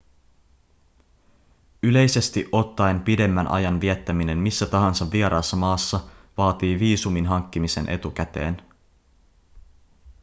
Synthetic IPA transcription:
yle̞jse̞st̪iʔo̞t̪ːɑjmpide̞mːænʔɑ̰jɑnʋiet̪ːæmine̞nmisːæt̪ɑɦɑnsɑʋʋieɾɑːsːɑmɑːsːɑʋɑːt̪iːʋiːsuminɦɑŋkːimise̞̰nʔe̞̰t̪ukæt̪e̞̰ːn

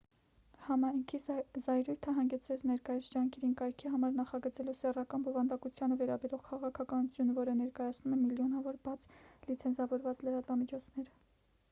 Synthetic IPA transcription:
hɑmɑjŋkʰizɑjɾujt̪ʰəɦɑŋɡɛt͡sʰɾɛt͡sʰnɛɾkɑjit͡sʰd͡ʒɑŋkʰɛɾinkɑjkʰiɦɑmɑɾnɑχɑɡət͡sɛlɔsɛrɑkɑnbɔvɑnd̪ɑkut͡sʰjɑnəvɛɾɑbɛɾɔʁkʰɑʁɑkʰɑkɑnut͡sʰjunəvɔɾənɛɾkɑjɑt͡sʰnumɛmiljɔnɑvɔɾbɑt͡sʰlit͡sʰɛnt͡sʰɑvɔɾvɑt͡sləɾɑt̪vɑmit͡ʃʰɔt͡sʰnɛɾə

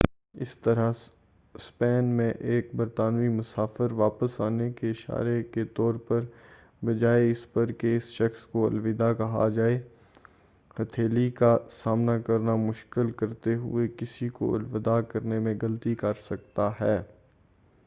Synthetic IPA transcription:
ɪ̰st̪ɐɾa | spɛːnmẽʔeːk̚bɐɾt̪aːnimʊsaːfəɾʋaːpəsaːnekeɪʃa̰ːɾeket̪ɔːɾpɐɾ | bɐd͡ʒaːeɪspɐɾkeɪsʃɐxskoɐ̰lʋɪd̪akɐɦa̰d͡ʒaːe | hɐt̪ʰeːlikasaːmnakɐɾnamʊʃkɪlkɐɾt̪eɦʊ̰ekɪsiko̰ɐ̰lʋɪd̪akɐɾnemẽɡɐlt̪ikɐɾsɐk̚t̪aɦɛː

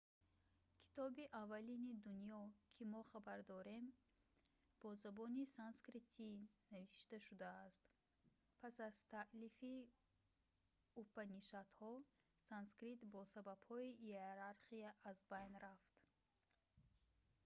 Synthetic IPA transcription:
kʰi̥t̪ʰɔbiʔavːalinid̪unjɔkʰimɔχabaɾd̪ɔɾe̞m | b̥ɔzabɔnisanskɾit̪ʰinaviʃt̪aʃud̪aːst̪ | pʰasaz̥t̪ʰaʔlifi | upaniʃat̪hɔ | sanskɾit̪bɔsabab̥hɔijeeɾaɾχiaʔːzbajnɾaft̪

